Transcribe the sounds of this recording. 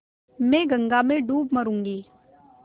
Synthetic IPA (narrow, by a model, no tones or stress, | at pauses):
mɛ̃ːɡə̃ŋɡamẽɖuːbmɐɾũːŋɡiː